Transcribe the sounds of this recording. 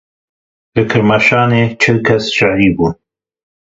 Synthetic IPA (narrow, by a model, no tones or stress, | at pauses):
lɨkʰɨɾmaʃɑːneːt͡ʃʰɪlkʰɐsʃɪʕɾiːbuːn